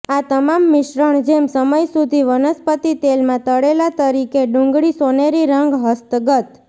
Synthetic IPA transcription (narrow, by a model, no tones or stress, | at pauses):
at̪əmamːɪʃɾəɳ̃d͡ʒemsəməjsud̪ʱiʋənəspət̪it̪elmãt̪əɽelat̪əɾikeɖũŋɡɭisoneɾiɾəŋɡɦəst̪ɡət̪